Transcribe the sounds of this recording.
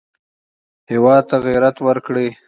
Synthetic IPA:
hɪwɑːd̪̚t̪aɣiɾat̪wəɾkɽe

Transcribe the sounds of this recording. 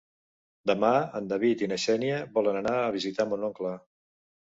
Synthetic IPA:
d̪əmaənd̪əβit̪inəʃɛniəβɔlənənaːβizit̪amonɔŋklə

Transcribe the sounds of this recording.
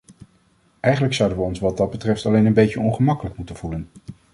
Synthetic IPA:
ɛjχənləksʌwdənʋəɔnsʋɑdɑd̚bətrɛftɑlejnənbejcəɔnχəmɑkələkmutənv̥ulən

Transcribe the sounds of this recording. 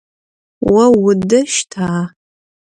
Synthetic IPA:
wɐwʊdɐʃtʰaː

